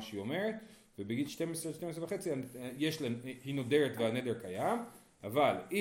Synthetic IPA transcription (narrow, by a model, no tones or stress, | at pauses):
ʃeio̞me̞ʁet̪ | vebeɡilʃte̞mesʁeʃtems̬ʁevaχet͡siajeʃlenhino̞deʁet̪veanedeʁkajam | avali